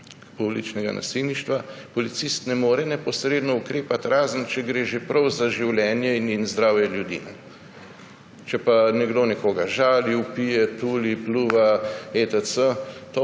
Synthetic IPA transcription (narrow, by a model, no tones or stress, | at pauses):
publit͡ʃnɛɡa̰nʔa̰silniʃt̪ʋapɔlit̪sist̪nɛmoːɾɛnɛpɔsɾeːd̪nɔukɾeːpat̪ɾaːzənt͡ʃɛɡɾeːʒepɾɐwzaʒiwljɛːnjɛininzd̪ɾaːwjɛljud̪ḭːnɛ | t͡ʃɛpanɛɡd̪oːnɛkoːɡaʒaːliupijɛt̪uːlipluːʋaet̪əsət̪o